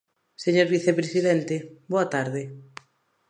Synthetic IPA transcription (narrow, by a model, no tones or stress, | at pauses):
seɲoɾβiθepɾesiðɛnt̪eboat̪aɾðe